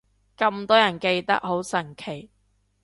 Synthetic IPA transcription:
kɐ˧mt̪ɔː˥jɐ˨˩nke˧jt̪ɐ̰˥k̚ho˨˥wsɐ˨˩ŋkʰe˨˩j

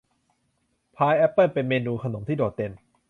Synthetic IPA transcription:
pʰaː˧jʔɛ˦˥pːə˥˩npe˧nmeː˧nuː˧kʰa˧no˩˦mt̪ʰiː˥˩doː˨˩t̪̚ːe˧n

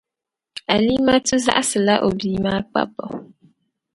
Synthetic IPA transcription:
a˨li˦ma˦tɨ˦za̰˦ʔa˦sɨ˨la˦ʔo˨biː˨maː˦k͡pa̰˦pɔ̰˨

